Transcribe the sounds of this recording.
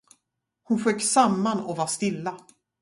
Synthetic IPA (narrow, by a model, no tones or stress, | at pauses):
hʊnɧøːkːsamːanɔvaɾst̪ɪlːa